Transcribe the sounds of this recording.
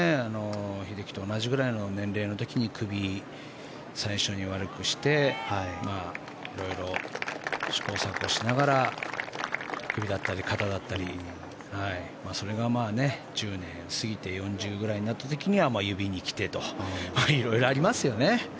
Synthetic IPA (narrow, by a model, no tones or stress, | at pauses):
eano̞çid̪e̞kʲi̥t̪o̞ːnaʑiɡɯ̟ɾaino̞nẽ̞nɾe̞ːno̞t̪o̞kʲiɲ̟ikɯ̟bʲi | saiɕo̞ɲ̟iβ̞aɾɯ̟kɯ̟ɕi̥t̪e̞maː | iɾo̞iɾo̞ | ɕi̥ko̞ːsakɯ̟oɕinaɡaɾa | kɯ̟bʲid̪at̪ːaɾʲikʰat̪ad̪at̪ːaɾʲi | hai | maːso̞ɾe̞ɡamaːne̞d͡ʑɨːnẽ̞ɰ̃sɨɡʲit̪e̞jõ̞ɲd͡ʑɨːɡɯ̟ɾaiɲ̟inat̪ːat̪e̞kʲiɲ̟iβamaːjɯ̟bʲiɲ̟ikʲi̥t̪e̞t̪o̞maiɾo̞iɾo̞aɾʲimasɨjo̞ne̞